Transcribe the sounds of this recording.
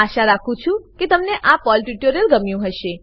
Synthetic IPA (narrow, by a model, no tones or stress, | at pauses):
aʃaɾakʰũt͡ʃʰũket̪əmneʔapɔlʈuʈoɾijəlɡəmjũɦəʃe